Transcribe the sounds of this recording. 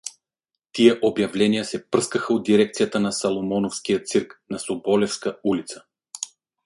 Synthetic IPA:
t̪iɛʔobjavlɛnijəsɛpɤskɐxɐod̪d̪iɾɛk̚t̪sijat̪anasɐlˠomɔnofskijət̪siɾknɐsobɔlɛfskɐulit̪sə̥

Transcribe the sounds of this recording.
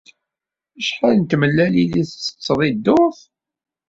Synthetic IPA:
əʃħalnt̪məlːæliliθt͡sːə̥t͡sːəðˤid̪ːoθ

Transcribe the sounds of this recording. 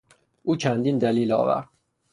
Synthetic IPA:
ʔuːt͡ʃʰænd̪iːnd̪æliːlɒ̰ːvæ̰ɾd̪̥̚

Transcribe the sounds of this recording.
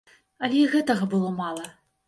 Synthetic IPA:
ɐlʲɛiɣɛt̪ɐɣɐbɨlˠɔmalˠɐ

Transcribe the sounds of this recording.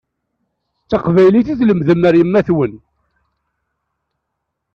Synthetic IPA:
t͡sːɑqvæjliθiθləmðəmːəɾjəmːæθwən

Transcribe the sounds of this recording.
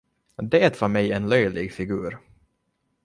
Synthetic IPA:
d̪ɛːt̪vœɾmɛjɛnlœjlɪɡfɪɡʉːɾ

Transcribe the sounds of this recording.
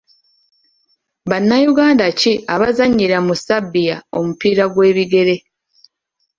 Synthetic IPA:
βanːajuɡaːndaciaβazaɲːiɾamusabːijao̞mupiːɾaɡwe̞ːβiɡe̞ɾe̞

